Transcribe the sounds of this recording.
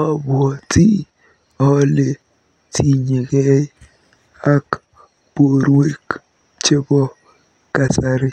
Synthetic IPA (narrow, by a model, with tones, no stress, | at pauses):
ɔ˦bwɔ˨ti˦ | ɔ˦le˨ | tʰi˦ɲe˨ke˦ | a˦k | b̥o˨ɾwe˦k | t͡ʃe˦bɔ˦ | ka˨sa˦ɾɪ˦